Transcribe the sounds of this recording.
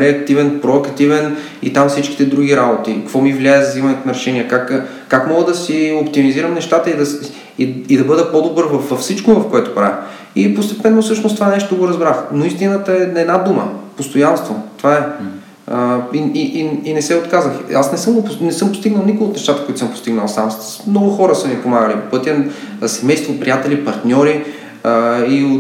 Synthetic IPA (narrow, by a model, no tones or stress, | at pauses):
ɾɛɐk̚t̪ivɛnpɾoɐkt̪ivɛn | ḭt̪amfsit͡ʃki̥t̪ɛd̪ɾuɡiɾabot̪ikəkvɔmivlʲaɛzɐzimɐnɛnɐɾɛʃɛniɛkakː | akmɔɡəd̪ɐsiopt̪imiziɾəmnɛʃt̪at̪əid̪ɐs | iid̪ɐbɤd̪ɛpɔd̪obɤɾvɐfvɐfsit͡ʃkovɐfkoɛt̪o̥pɾa̰vḭ | ipost̪ɛpɛnːofsɤʃnost̪ovanɛʃt̪oɡoɾɐzbɾaxnoist̪inət̪əɛɛd̪nad̪umə̰post̪ojanst̪vot̪ovaɛ | iiʔiinɛsɛot̪kazəxasnɛsɤmɡopnɛsɤmpost̪iɡnəlˠnikoəot̪nɛʃt̪at̪əkoit̪osəmpo̥st̪iɡnəlˠsams | mnɔɡʊxɔɾəsɐmipomaɡəlipopɤt̪ʲiəsɛmɛjst̪vopɾijat̪ɛlipɐɾt̪nʲɔɾi | io